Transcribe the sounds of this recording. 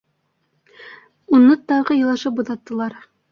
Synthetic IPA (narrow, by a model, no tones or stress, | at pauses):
unːɤt̪ɑʁɤjɤ̆lˠɑʃɤpbŭðɑt̪ːɤ̆lˠɑɾ